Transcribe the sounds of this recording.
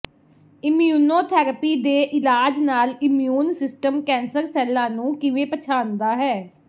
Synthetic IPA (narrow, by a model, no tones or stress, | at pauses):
ɪmjuːnoːt̪ʰɛːɾəpiːd̪eːʔɪlaːd͡ʒnaːlɪmjuːnsɪsʈəmkɛ̃ːnsəɾsɛːlːãːnũːkɪʋẽːpət͡ʃʰaːnd̪aːɦɛː